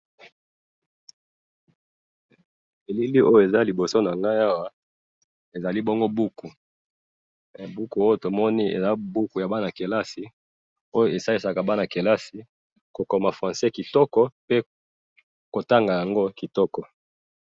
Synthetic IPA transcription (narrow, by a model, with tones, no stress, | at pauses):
e˨li˦li˦ʔo˦jo˨e˨za˦li˨bo˨so˦na˨ŋɡa˦ja˦wa˦ | e˨za˨li˦bɔ˦ŋɡo˦bu˦ku˨ | bu˦ku˨o˦jo˨to˨mɔ˦ni˦ḛ˨za˦bu˦ku˨ja˨ba˦na˨ke˨la˦si˨ | o˦jo˨e˨sa˦li˦sa˨ka˨ba˦na˨ke˨la˦si˨ | ko˨kɔ˨ma˨fʁã˨nsɛ˦ki˨tɔ˦kɔ˦pe˦ | ko˨ta˦ŋɡa˨ja˨ŋɡo˦ki˨tɔ˦kɔ˨